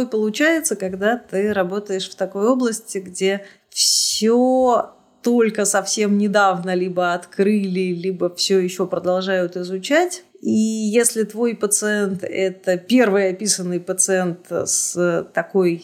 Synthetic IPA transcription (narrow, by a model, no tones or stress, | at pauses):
pəlˠʊt͡ɕæjɪt̪səkɐɡd̪at̪ɨɾɐbo̞t̪əjɪʂft̪ɐko̞jo̞blˠəsʲtʲɪɡdʲe̞ | fsʲo | t̪o̞lʲkəsɐfsʲe̞mnʲɪd̪avnəlʲibəɐt̪kɾɨlʲɪlʲibəfsʲojɪɕːo̞pɾəd̪ɐlˠʐajʊt̪ɪzʊt͡ɕætʲ | ijesʲlʲɪt̪vo̞jpət̪sɨɛnt̪ɛt̪əpʲe̞rvɨjɐpʲisənːɨjpət̪sɨɛnt̪sət̪ɐkoj